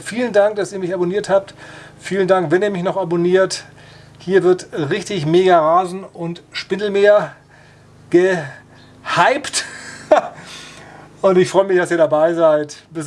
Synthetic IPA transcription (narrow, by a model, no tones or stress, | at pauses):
fiːləndaŋk̚d̥asiːɐmɪçaboniːɐthaːp̚tfiːləndaŋkvɛniːɐmɪçnɔχaboniːɐt | hiːɐvɪɐtʁɪçtɪçmeːɡaʁaːzn̩ʊntʃpɪnl̩meːɐ | ɡ̥ə | haɪpt | ʔʊntɪçfʁ̥ɔʏəmɪçd̥asiːɐdabaɪzaɪtb̥ɪs